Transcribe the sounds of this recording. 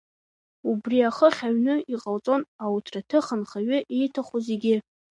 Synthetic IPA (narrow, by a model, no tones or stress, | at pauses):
ubriaχəχʲaɥnɨiqʼalt͡sʼo̞nawutʰratʰɨχənχaɥʊʔejtʰaχʷozeɡʲɪ